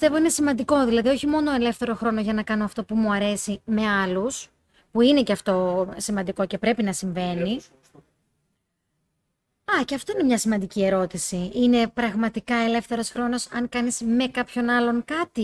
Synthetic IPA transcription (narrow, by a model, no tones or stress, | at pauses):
ist̪e̞vo̞ine̞simɐnd̪iko̞ðilɐðioçimo̞no̞e̞le̞fθe̞ɾo̞xɾo̞no̞ʝɐnɐkɐnoɐft̪o̞pumuɐɾe̞sime̞ɐlus | puine̞ceɐft̪o̞simɐnd̪iko̞ce̞pɾe̞pinɐsiɱve̞ni | ɐce̞ɐft̪o̞ine̞mɲɐsimɐnd̪icie̞ɾo̞t̪isiine̞pɾɐɣmɐt̪ikɐe̞le̞fθe̞ɾo̞sxɾo̞no̞sɐŋkɐnisme̞kɐpço̞nɐlo̞ŋkɐt̪i